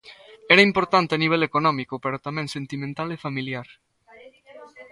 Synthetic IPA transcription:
ɛɾɐimpoɾt̪ant̪eaniβ̞elekonɔmikopeɾot̪amẽŋsent̪imẽnt̪alefamiljaɾ

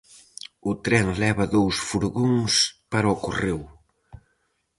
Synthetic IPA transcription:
ʊt̪ɾɛŋlɛβɐðowsfuɾɣoŋspaɾɐɔkorew

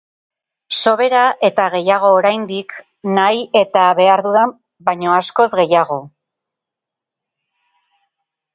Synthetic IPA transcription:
so̞β̞e̞ɾaʔe̞t̪aɣ̞e̞jaɣ̞o̞ːɾajnd̪ik | naje̞t̪aβe̞aɾðuða | bajɲo̞asko̞zɣe̞jaɣ̞o̞

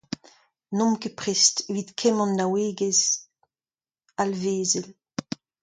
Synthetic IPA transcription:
nɔ̃mkepʁest̪evid̪kʰɛmɑ̃nːaweːɡez | alveːzɛl

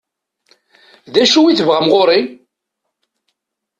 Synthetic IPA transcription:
ðæʃuwiθəvʁæmʁoɾi

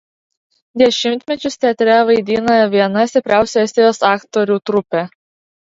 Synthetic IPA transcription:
d̪ʲɛʃʲɪmʲt̪ʲmʲɛt͡ʃʲʊst̪ʲɛt̪ʲɾʲɛʋɐɪd̪ʲiːnojʋʲiɛnɐsʲt̪ʲɪpʲɾʲæˑʊsʲuːɛsʲt̪ʲeɛjoːsɑːkt̪ɔɾʲuːt̪ɾʊpʲe

